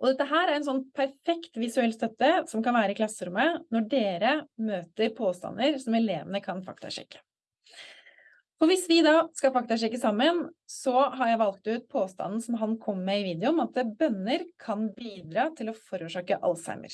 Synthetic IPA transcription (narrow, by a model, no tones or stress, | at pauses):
ʔɔd̪ɛt̪ːəɦæːɾæɾɛnsɔnːpʰæɾfɛkt̪ʋɪsʉɛlːst̪œt̪ːəsɔmkɑnʋæːɾəɪklɑsəɾʊmːənɔɖeːɾəmøːt̪əɾpʰoːst̪ɑ̰nːəɾsɔmɛleːʋənəkʰɑnfɑ̰kt̪ʰɑ̰ʂɛ̰kːə̥ | fɔɾʋɪsʋɪd̪ɑːskɑfɑk̚t̪ɑʂɛkːəsɑmːənsɔɦɑɾjæɪʋɑlk̚t̪ʉːt̪̚pʰoːst̪ɑ̰nn̩sɔmɦɑnkʰɔmːɛɪʋiːd̪ɛʊmɑt̪əbœnːəɾkʰɑnbiːd̪ɾɑːt̪ʰɪlɔfɔɾʉːʂɑːkəʔɑ̰lsæ̰ɪmə̰ɾ